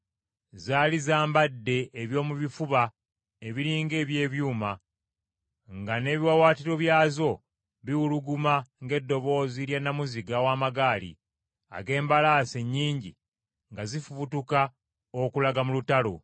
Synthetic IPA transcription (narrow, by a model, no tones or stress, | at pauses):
zaːlizaːmbadːe̞ʔːβjo̞ːmuβifuβa | eβiɾiːŋɡe̞ːβje̞ːβjuːma | ŋɡane̞ːβiwawaːtiɾo̞βjaːzo̞ | βiwuluɡumaŋɡe̞dːo̞βo̞ːziljanːamuziɡawaːmaɡaːlḭ | a̰ɡe̞ːmbalaːse̞ɲːiːɲɟḭ | ŋɡazifuβutuka | okulaɡamulutalo̰